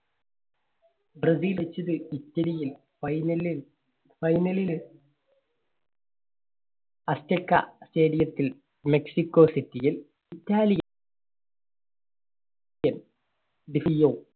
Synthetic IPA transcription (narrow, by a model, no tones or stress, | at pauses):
brɐsiːlʋet͡ɕːɐðɨitːɐlijil | ɐjnɐli | fɐjnɐlil | ɐstekːɐ̰steːɽijɐt̪ːil | meksikːoːsitːijil | itːaːlij | ɐn | ɖifijoː